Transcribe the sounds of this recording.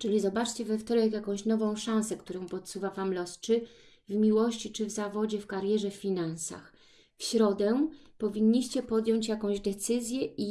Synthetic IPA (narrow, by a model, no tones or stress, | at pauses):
t͡ʂɘlʲizɔbat͡ʂt͡ɕɛvɛft̪ɔɾɛkjakɔ̃w̃ɕnɔvɔ̃w̃ʂãñsɛkt̪uɾɔ̃w̃pɔt̪suvavamlɔst͡ʂɘ | vmʲiwɔɕt͡ɕit͡ʂɘvzavɔd͡ʑɛfkaɾjɛʐɛfʲfʲinansa̰x | fɕɾɔd̪ɛpɔvʲiɲːiɕt͡ɕɛpɔd̪jɔ̃ɲt͡ɕjakɔ̃w̃ʑd̪ɛt̪sɘzʲjɛi